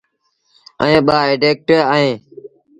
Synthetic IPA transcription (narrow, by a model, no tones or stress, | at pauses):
ə̰ẽːɓaːeːɖeːk̚ʈeːəɦẽː